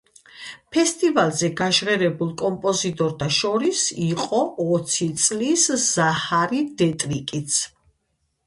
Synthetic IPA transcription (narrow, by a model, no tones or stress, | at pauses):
pʰɛst̪ʼivalˠzɛɡaʃʁɛɾɛbulˠkʼɔmpʼɔzit̪ʼɔɾt̪ʰaʃɔɾisiqʼɔːt̪sʰit̪sʼlisz̥ahaɾid̪ɛt̪ʼɾikʼit̪sʰ